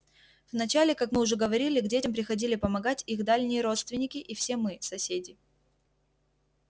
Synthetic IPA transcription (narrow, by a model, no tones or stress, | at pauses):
vnɐt͡ɕalʲɪkakmɨʊʐɛɡəvɐɾʲilʲɪɡdʲetʲɪmpɾʲɪxɐdʲilʲɪpəmɐɡatʲixd̪alʲnʲɪjəɾo̞t̪st̪vʲɪnʲːɪkʲɪʔifsʲe̞mɨsɐsʲedʲɪ